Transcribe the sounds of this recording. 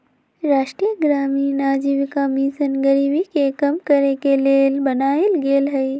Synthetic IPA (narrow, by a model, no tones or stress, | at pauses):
ɾaːʃʈɾijəɡɾaːminaːd͡ʒiʋikaːmisənɡəɾiːbikekɐmkɐɾekeleːlbɐnaːelɡeːlɦɛj